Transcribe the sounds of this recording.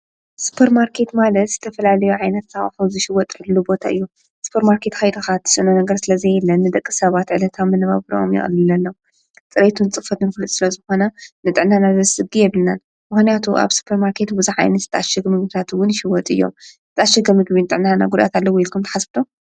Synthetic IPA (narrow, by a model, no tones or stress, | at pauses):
su̥pʰɐɾmaɾkʰe̞t̪malɐt̪z̥ɨt̪ʰɐfɐlalɐjuʕajnɐt̪saχʼfuzɨʃɪwɔt̪ʼʕɨlɨlːubo̞t̪ʰaʔɨjːu | su̥pʰɐɾmaɾkʰe̞t̪kɐjd̪ɐxat̪ʰːɨ̥sɨnonɐɡɐɾsɨlɐzejɛlːɐnːɨd̪ɐkʼːisɐβat̪ʕɨlɐt̪ʰamːɨnɨβa̰βɨɾo̰ʔo̰mjɛ̰xʼɨ̰lːɨlɐnːɐw | t͡sʼɨɾet̪ʰunɨt͡sʼɨfɐt̪ɨnfɨlut̪ʼsɨlɐzɨxo̞nɐnɨt̪ʼɨʕnanazɐzsɨɡijɛβlnan | mɨxnijat̪ʰuʔa̰βsu̥pʰːɐɾmaɾkʰe̞t̪bɨzuʕa̰jnɐt̪zɨt̪ʰaʃɨɡmɨɡbit̪ʰat̪wʊnʃɪwɔt̪ʼɨ̰jːo̞̰mzɨt̪ʰaʃɨɡɐmɨɡβinɨt̪ʼɨʕnana̰ɡud̪a̰t̪ʰalːɐwoilkʰumt̪ʰɐ̥ħasbɨt̪ʰo